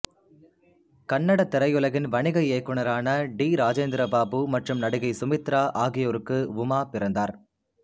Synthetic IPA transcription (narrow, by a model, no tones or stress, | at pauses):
kɐɳːɐɽɐt̪ːɪɾɐjɯlɐɣɪnʋɐɳɪɣɐɪeːkːɯɳɐɾaːnɐɖiːɾaːd͡ʒeːnd̪ɪɾɐbaːbɯmɐʈrɯmnɐɽɯɣɐɪsʊmɪt̪ɾaːʔaːɣɪjoːɾɯkːɯʋʊmaːpɪɾɐnd̪aːɾ